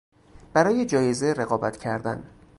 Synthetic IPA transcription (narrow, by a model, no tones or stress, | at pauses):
b̥æɾɒːje̞d͡ʒɒːje̞zeɾe̞ɣɒːbæt̪ʰcʰæɾd̪æ̰n